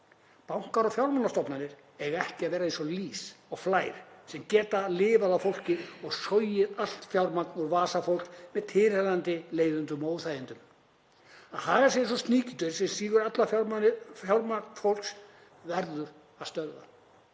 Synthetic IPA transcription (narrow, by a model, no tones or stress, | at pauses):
pawŋ̥kaɾɔfjawɾmanːast̪ɔpnanɪɾ̥ | ɛɣɛhcɪaðvɛːɾaɛnsɔliːsɔɣflaːjɾ̥sɛmcɛːt̪alɪːvaðawfowl̥cɪɔɣsɔjɪðal̥t̪fjawɾmat̪nɔɣvaːsafowl̥kmɛðt̪ʰɪːɾɛðant̪ɪleːjðʏnt̪ʏmoːwθajðɪnt̪ʏm | aðhaːɣasɛɛns̬ɔst̪niːcɪt̪ʏɾsɛmsiːɣʏɾat̪la | jawɾmafowl̥ks | vɛɾðʏɾ | aðst̪œɾða̰